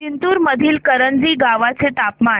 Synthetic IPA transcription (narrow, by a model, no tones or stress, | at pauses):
int̪uːɾməd̪ʱiːlkəɾənd͡ziːɡaʋat͡set̪apma